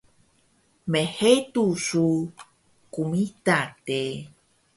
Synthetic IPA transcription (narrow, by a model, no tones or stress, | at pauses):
mẽhet̪usu | kumĩt̪at̪e